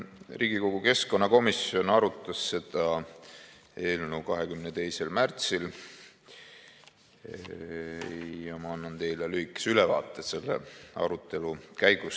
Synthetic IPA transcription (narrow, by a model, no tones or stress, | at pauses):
riːɡ̥iko̞ɡ̥uke̞sko̞nːɑko̞misjo̞nɑɾut̪ˑːɑsːe̞d̪̥ɑ | e̞ːlnuːkɑɦekymnet̪e̞jse̞lmært̪sil | jɑmɑɑnːɑnt̪e̞jlelyikːˑe̥sylɛvɑ̰ːt̪ːˑese̞lːḛɑ̰ɾut̪ːˑe̞lukæjɡ̥us